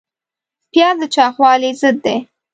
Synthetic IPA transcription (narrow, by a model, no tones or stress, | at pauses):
pjɑd̪ət͡ʃɑxwɑlizəd̪ːe